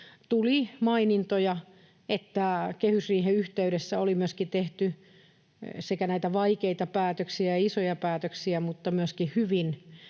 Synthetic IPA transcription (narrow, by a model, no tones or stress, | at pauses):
t̪ulimɑinint̪ojɑ | ʔet̪ːækehysriːheyht̪eyɾesːæolimyøskit̪eht̪y | sekænæit̪æʋɑikeit̪ɑpæːt̪øksiæjɑisojɑpæːt̪øksiæmut̪ːɑmyøskihyʋin